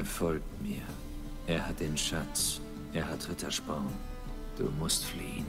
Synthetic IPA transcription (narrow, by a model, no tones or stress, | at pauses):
fɔlk̚tmiːɐ | ʔeːɐhat̚deːnʃat͡s | ʔeːɐɦatʁɪtʰɐʃbaʊn | d̥ṵːmʊstfliːən